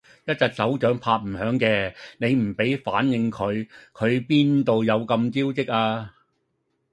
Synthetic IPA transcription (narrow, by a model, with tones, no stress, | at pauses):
jɐ˥t̚t͡sɐ˨k̚sɐ˨˥wt͡ʃœː˨˥ŋpʰaː˧t̚m̩˨˩hœː˨˥ŋkɛː˧ne˨˧jm̩˨˩pe˨˥jfaː˨˥njɪ˨˧ŋkʰɵ˨˧ɥkʰɵ˨˧ɥpiː˥nt̪o˨˧wjɐ˨˧wkɐ˧mt͡siː˥wt͡sɪ˥k̚ʔaː˧